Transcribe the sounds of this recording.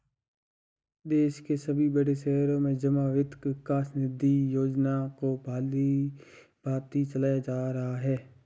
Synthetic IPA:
d̪eːʃkesəbʱibəɽeʃɛːɾõːmẽd͡ʒəmaːʋɪt̪kɪkaːsnɪd̪ʱːijoːd͡ʒnaːkobʱaːli | b̥ʱaːb̚t̪it͡ʃəlaːjad͡ʒaːɾəɦaɦɛː

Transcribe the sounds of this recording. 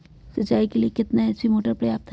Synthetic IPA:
sɐt͡ʃaːikeliekɪt̪naɛsimoːʈəɾpɾɐjaːp̚t̪ʰ

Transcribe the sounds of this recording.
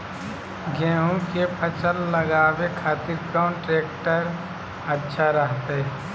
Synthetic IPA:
ɡɛ̃ːɦõkepʰət͡ʃəlːəɡaːwekʰaːt̪ɪɾkɾaːnʈɾeːkʈəɾ | ətːʃʰaɾəɦt̪eɦ

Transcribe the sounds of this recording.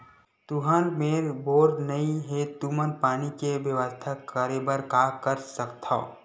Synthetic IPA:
t̪uɦənmeːɾboːɾɖnəĩɦet̪umənpaːnikeʋjəʋəst̪ʰakəɾebəɾkaːkəɾsəkt̪ʰa

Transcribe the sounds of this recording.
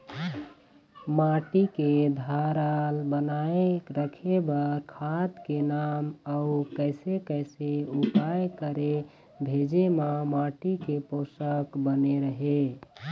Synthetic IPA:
maʈiked̪ʱaɾalbənaeɾəkʰebəɾkʰat̪kenamaukəɪsekəɪseupajkəɾe | bʱed͡ʒemamaʈikeposəkbəneɾəɦe

